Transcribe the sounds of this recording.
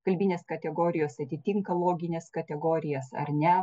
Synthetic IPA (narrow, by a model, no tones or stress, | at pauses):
kɐlʲbʲiːnʲeːskɐt̪ʲɛɡoːɾʲɪjoːsɐt̪ʲɪt̪ʲɪŋkɐlˠoːɡʲɪnʲeːskɐt̪ʲɛɡoːɾʲɪjɛsɐ̰ɾnʲɛ